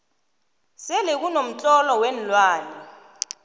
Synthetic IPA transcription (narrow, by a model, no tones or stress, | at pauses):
sɛlek̬unom̩t͡ɬʼɔlɔwɛn̩lwaːnɛ